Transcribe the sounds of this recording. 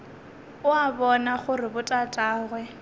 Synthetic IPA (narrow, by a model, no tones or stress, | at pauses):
ʊabɔnaχʊrɪbʊtʼatʼaːɣwɛ